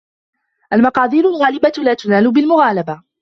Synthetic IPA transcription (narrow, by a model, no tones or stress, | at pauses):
ʔalmɑqɑːðˤiːɾʊlɣaːlɪbalaːt̪ʊnaːlʊbɪlmʊɣaːlaba